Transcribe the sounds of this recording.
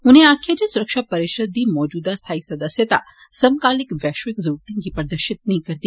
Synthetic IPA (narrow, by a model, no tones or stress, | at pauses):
ʊnɦẽaːkʰjad͡ʒesʊɾəkʃapɐɾeːʃəd̪ːimɔːd͡ʒuːd̪ast̪ʰaːisɐd̪əsjət̪a̰ | sɐmkaːlɪkʋɛːʃʋɪkzɐɾuːɾt̪ĩkipɐɾd̪əɾʃɪt̪̚nɐɦĩkɐɾd̪i